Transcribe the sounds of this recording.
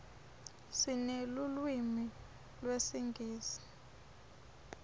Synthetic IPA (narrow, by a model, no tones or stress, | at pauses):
sinelulwimi | lwesiŋɡʱiːzi̥